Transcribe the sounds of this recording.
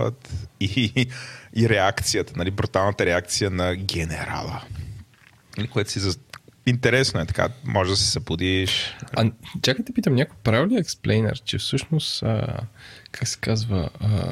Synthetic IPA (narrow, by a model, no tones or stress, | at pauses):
ə̰t̪i | iɾɛakt̪sijət̪ə̥nɐlibɾut̪alˠnət̪əɾɛak̚t̪sijənɐɡʲɛnɛɾa̰lˠə̰ | ikoɛt̪ʊ̥sizint̪ɛɾɛsnoɛt̪ɐ̥ka̰mʔɔʒɛd̪ɐsɛ̥sɐbud̪iʃɐt͡ʃakət̪ipit̪əmnɲʲakojpɾavlʲiəɛksplʔɛjnɛ̰ɾt͡ʃɛfsɤʃnost̪ə̰kʰaksɛ̥kazvə̰